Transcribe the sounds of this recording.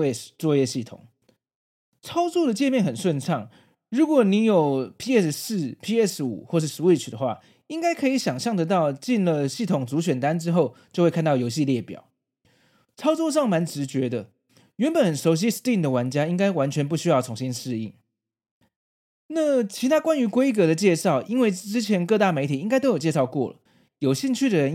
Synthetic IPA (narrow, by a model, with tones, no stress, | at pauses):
t͡swɔ˥˧jɛ˥˧ɕi˥˩t̪ʰʊ̰˨˩˦ŋ | t͡sʰɑ˥ʊt͡swɔ˥˩d̪ə˩t͡ɕjɛ˥˧nmjɛ˥˩nxə˨˩nʂwə˥˧nt͡sʰɑ˥˩ŋ | ɻu˧˥kwɔ˨˩ni˧˥jo˨˩ʊpʰi˥ɛ˥˩ss̩˥˩pʰi˥ɛ˥˩sṵ˨˩˦xwɔ˥˧ʂ̬ɻ̩˥˩ʂɻ̩˧˥we˥˩t͡ɕʰy˨˩d̪ə˩xwa̰˥˩ | i˥ŋka˥ɪkʰɤ˧˥i˧˥˦ɕjɑ˨˩ŋɕjɑ˥˩ŋt̪ɤ˧˥t̪ɑ˥˧ʊt͡ɕi˥˩nlə˨ɕi˥˩t̪ʰʊ˨˩ŋt͡su˧˥ɕɥɛ˨˩nt̪a˦˥nʈ͡ʂɻ̩˥xo˥˩ʊt͡ɕjo˥˧xwe˥˧kʰnt̪ɑ˥˩ʊjo˧˥ʊɕi˥˧ljɛ˥˩pjɑ̰˨˩˦ʊ | t͡sʰɑ˥ʊt͡swɔ˥˧ʂ̬ɑ˥˩ŋma˧˥nʈ͡ʂɻ̩˧˥t͡ɕɥɛ˧˥d̪ə˨ | ɥɛ˧˥npə˨˩nxə˨˩nʂo˧˥ʊɕ̬i˥st̪i˥˩nd̪ə˩wa˧˥nt͡ɕja˥i˥ŋka˥ɪwa˧˦nt͡ɕʰɥɛ˧˥np̬u˥˩ɕy˥jɑ˥˩ʊt͡sʰʊ˧˥ŋɕi˥nʂɻ̩˥˧i˥˩ŋ | na˥˩t͡ɕʰi˧˥t̪ʰa˥kwa˥ny˧˥kwe˥ɪk̬ɤ˧d̪ə˧t͡ɕjɛ˥˧ʂɑ˥˩ʊʔi˥nwe˥˩ɪʈ͡ʂɻ̩˥t͡ɕʰjɛ˧˥nkɤ˥˧t̪a˥˩me˧˥ɪt̪ʰi˨˩i˥ŋka˥ɪt̪o˥ʊjo˨˩t͡ɕjʂɑ˥˧ʊkwɔ̰˥˩lə̰˩ | jo˨˩ʊɕi˥˧ŋt͡ɕʰy˥˩d̪ə˩ɻə˧˦n